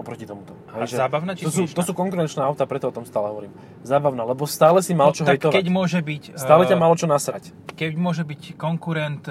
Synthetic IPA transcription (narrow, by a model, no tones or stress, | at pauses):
ɔpɾɔcit̪ɔmut̪ɔ | ɦɛʒɛaːbaʊnat̪ɔsut̪ɔsuːkɔŋkuɾɛnt͡ʃnɛːaʊt̪apɾɛt̪ɔɔt̪ɔmst̪aːlɛɦɔʋɔɾiːm | zaːbaʊnalɛbɔst̪aːlɛsimalt͡ʃɔɦɛjt̪ɔʋaɟmʊɔʒɛbicst̪aːlɛcamaːlɔt͡ʃɔnasɾac | kɛɟmʊɔʒɛbickɔŋkuɾɛnt̪